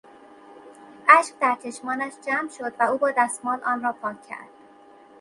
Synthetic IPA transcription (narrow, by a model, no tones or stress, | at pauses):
ʔæʃq̚d̪æɾt͡ʃʰe̞ʃmɒːnæʃd͡ʒæmʃo̞d̪væuːbɒːd̪æst̪mɒːlʔɒːnrɒːpʰɒːkʰːæ̰ɾd̪̥